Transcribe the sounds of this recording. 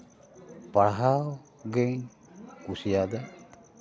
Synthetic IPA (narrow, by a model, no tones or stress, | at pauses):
paɽɦaw | ɡɛɲ | kusijad̪a